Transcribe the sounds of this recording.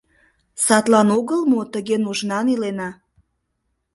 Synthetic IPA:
sɑt̪lɑnoɣəlmot̪əɣenuʒnɑnilenɑ

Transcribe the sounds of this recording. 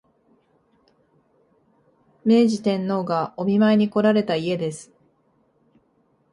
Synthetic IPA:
me̞ːʑit̪ẽ̞nːo̞ːɡao̞mʲimaeɲ̟iko̞ɾaɾe̞t̪aie̞d̪e̞sɨ̥

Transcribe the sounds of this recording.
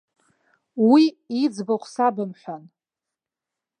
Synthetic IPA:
wi | id͡zbaχʷʰsabɨmħʷᶣan

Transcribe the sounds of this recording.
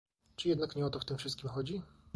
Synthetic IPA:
t͡ʂɘjɛd̪nakɲɛɔt̪ɔft̪ɘmfʂɘst̪̚kʲimxɔd͡ʑi

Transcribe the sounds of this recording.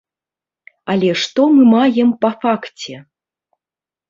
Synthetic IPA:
ɐlʲɛʂt̪ɔmɨmajɛmpɐfakt͡sʲɛ

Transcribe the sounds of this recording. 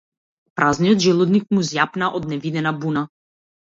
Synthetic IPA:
pɾaznijɔd̪ʒɛlˠɔd̪nik̚muzjapnaʔɔd̪nɛvid̪ɛnabuna

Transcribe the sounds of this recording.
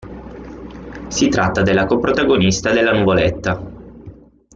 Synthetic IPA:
sit̪ɾat̪ːad̪elːakopɾot̪aɡonist̪ad̪elːanuvolet̪ːa

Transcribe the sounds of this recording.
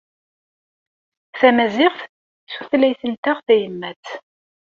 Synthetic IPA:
θæmæzɪʁθ | suθlæjθənt̪aʁθæjəmːæt͡s

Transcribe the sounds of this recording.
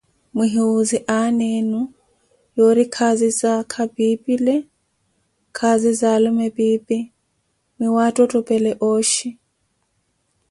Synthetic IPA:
mʊɦiuziʔanenu | joɾikʰazizakʰabipʼilɛ | kʰazizalʊmɛbiːpʼi | mɪwatʼɔtʼɔpʼɛlɛʔoːʃi

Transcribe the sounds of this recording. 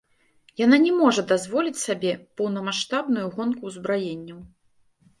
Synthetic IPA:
jananʲɛmɔʐɐd̪azvɔlʲit͡sʲsabʲɛpɐwnɐmaʂt̪abnujuɣɔnkuzbɾajenʲːɐw

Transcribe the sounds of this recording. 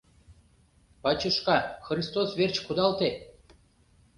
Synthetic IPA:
pɑt͡ɕəʃkɑxrist̪osβert͡ɕkud̪ɑlt̪e

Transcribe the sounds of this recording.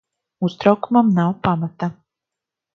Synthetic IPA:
ust̪ɾawkumamnawpamat̪a

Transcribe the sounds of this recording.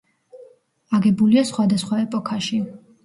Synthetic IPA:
aɡɛbuliasχwad̪asχwaɛpʼɔkʰaʃi

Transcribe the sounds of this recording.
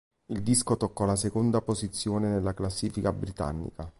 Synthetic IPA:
ild̪iskot̪okːɔlasekond̪apozit̪sːjoːnenelːaklasːiːfikabɾit̪a̰nːḭka

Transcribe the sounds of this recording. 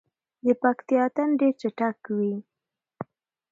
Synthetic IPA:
d̪əpakt̪ijɑt̪anɖeɾt͡ʃaʈakwi

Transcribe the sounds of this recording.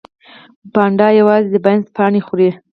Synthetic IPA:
bɑɳɖɑjawɑzed̪əbajnzpɑɳexuɾi

